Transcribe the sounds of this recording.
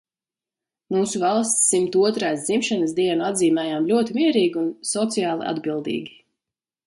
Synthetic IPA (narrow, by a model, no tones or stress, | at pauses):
muːsuvalˠst̪sːimt̪uɔt̪ɾaːsd̪zimʃanəs̬d̪iɛnuad̪ziːmɛjaːmlʲuɔt̪imiɛɾiːɡʲiunsɔt̪sijaːlˠḭʔa̰d̪bilˠd̪ḭːɡʲi